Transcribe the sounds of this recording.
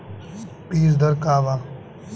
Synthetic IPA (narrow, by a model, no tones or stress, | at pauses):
piːsd̪ɐɾkaːʋaː